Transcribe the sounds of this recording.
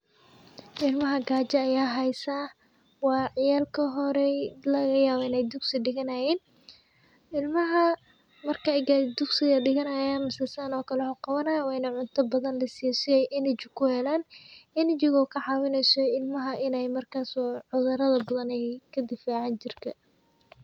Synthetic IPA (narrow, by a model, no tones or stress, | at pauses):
ʔɪlmɐɦɐɡaːt͡ʃɐːjaːɦɛjsa | wɑːʕɪjaːlkʰɐɦɔɾɛlɐɣɐjaːwɔɪnɛjd̪ʊɡsɪɖɪɣɐnɐjɛːn | ʔɪlmɐɦɐ | mɐrkʰɐjɡad̪ʊɡsɪɣɐɖɪɣɐnɐjaːnmɪsɐsaːnɔːkʰɐlɛhɔqɑwɐnɐjɐwɛjnɐʕʊnt̪ʰɐbɐðɐnlɐsɪjɛsɪɛjʔɪnɪt͡ʃɪkʰʊhɛlaːnɪnɪt͡ʃɪɣɔkʰɐʕɑːwɪnɛjsɔɪlmɐɦɐʔɪnɛjmɐrkʰaːsɔʕʊðɐɾɐðɐbɐðɐnɛjkʰɐd̪ɪfaːʕant͡ʃɪrkʰɐ